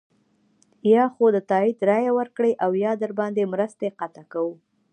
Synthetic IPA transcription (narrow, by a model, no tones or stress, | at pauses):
jɑxod̪ət̪ɑid̪ɾɑjawəɾkɽeʔawjɑd̪əɾbɑnd̪emɾəst̪eqat̪akawu